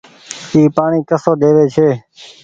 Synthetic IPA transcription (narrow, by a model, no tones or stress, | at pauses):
iːpaːɳiːkəsoːɗ̪eːʋeːt͡ʃʰeː